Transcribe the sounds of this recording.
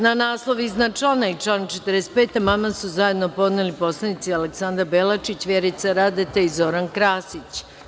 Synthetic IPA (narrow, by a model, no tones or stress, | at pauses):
nanaːslˠo̞ʋiiznat͡ʃlanait͡ʃlanat͡ʃet̪əɾest̪̚peːt̪amamasuzaje̞d̪no̞po̞d̪nelipo̞slˠanit̪sialeksand̪ɾabelat͡ʃit͡ɕʋjeɾit̪saɾad̪et̪eizo̞ɾankɾaːsit͡ɕ